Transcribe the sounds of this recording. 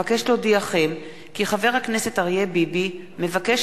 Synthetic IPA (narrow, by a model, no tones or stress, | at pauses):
akeʃlo̞d̪iaχem | kiχave̞ʁhaknese̞t̪aʁjebibi | me̞vakeʃ